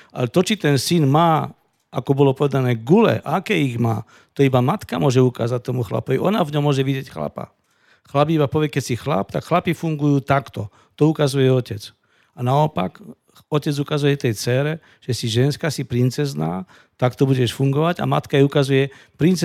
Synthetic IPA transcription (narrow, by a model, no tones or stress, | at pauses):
ʔa̰lɛt̪ɔt͡ʃit̪ɛnsinmaː | akɔbɔlɔpɔʋɛd̪anɛːɡulɛ̰ʔaakɛiɣma̰ː | t̪ɔibamat̪kamʊɔʒɛuka̰ːzat̚t̪ɔmuxla̰pɔʋiɔnavɲɔmːʊɔʒɛʋiɟjɛcxla̰pa̰ | xlap̬iibapɔʋjɛkɛcsixla̰pt̪akxlapifuŋɡujuːt̪akt̪ɔ | t̪ɔukazujɛɔcɛt͡s | anaɔpa̰k | ɔcɛd͡zukazujɛt̪ɛjt͡sɛːɾɛ | ʒ̥ɛsiʒɛnskasipɾint͡sɛzna̰ː | t̪akt̪ɔbuɟɛʃfuŋɡɔʋaɟa̰ma̰t̪kaiukazujɛpɾint͡s